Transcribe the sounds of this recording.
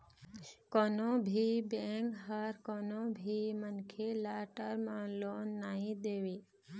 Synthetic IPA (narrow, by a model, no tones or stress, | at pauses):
koːnõːbʱiːbẽːŋkɦaɾkoːnõːbʱiːmənkʰelaːʈəɾmãːloːnːaːɦĩd̪eːʋeː